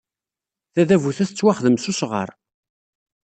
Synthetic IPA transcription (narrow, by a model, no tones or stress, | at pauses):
θæðævuθæθət͡sːwaχðəmsusʁə̰ɾˤ